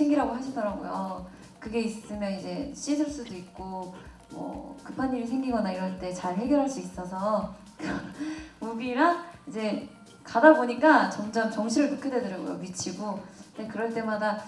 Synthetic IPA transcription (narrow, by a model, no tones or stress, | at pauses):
eŋɡiɾɦaɡoɦaɕʰidʌɾaɡojo̰ʌ | kɯɡe̞is͈ɯmjʌnid͡ʑe̞ɕ͈isʰɯɭs͈udoik̚k͈o | mʌ̰kɯpʰanːiɾisʰe̞ŋɡiɡʌnaiɾʌɭt͈e̞t͡ɕaɭɦeɡjʌɾɦaɭs͈uis͈ʌs̬ʰʌ | kamuɡiɾaid͡ʑe̞ | kadaboɲik͈at͡ɕʌmd͡ʑʌmt͡ɕʌŋɕʰiɾɯɭokʰjededɯɾaɡo̰jo̰mit͡ɕʰiɡondekɯɾʌɭt͈e̞mada